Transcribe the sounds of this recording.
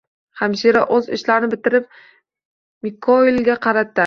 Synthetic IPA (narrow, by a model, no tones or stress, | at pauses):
hamʃiɾaʔɵzɪ̰ʃlaɾnɪbɪt̪ɪɾɪp̚ | mɪkʰːoɪlɡʲaqʰɑɾat̪ːɪ